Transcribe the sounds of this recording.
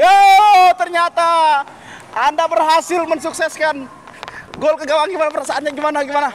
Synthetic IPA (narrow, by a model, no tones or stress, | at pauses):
jat̪ərɲat̪a | andabərɦasɪlmənsuksɛskan | ɡolkəɡawaŋɡimanapəɾasaanɲaɡimanaɡimana